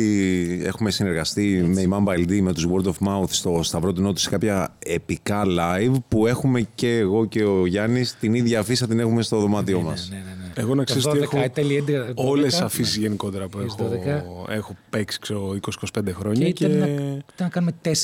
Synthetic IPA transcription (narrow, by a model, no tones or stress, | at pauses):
ie̞̰xume̞sine̞ɾɣɐst̪ime̞imɐmbɐld̪ime̞t̪uzwoɾd̪ofmɐuθst̪o̞st̪ɐvɾo̞t̪uno̞t̪i̥si̥kɐpçɐe̞pikɐlɐjvpue̞xume̞ce̞ːɣo̞ce̞oʝɐnist̪iniðʝɐːfisɐt̪ine̞xume̞st̪o̞ðo̞mɐt̪io̞mɐsneneneeɣonɐksesoieexot̪elied̪eollesɐfisʝe̞niko̞t̪e̞ɾɐpuexoðekɐexo̞peksi̥kseoooikosi̥kosi̥pe̞nd̪exɾo̞ɲɐiɐit̪ɐnːɐkɐnumet̪es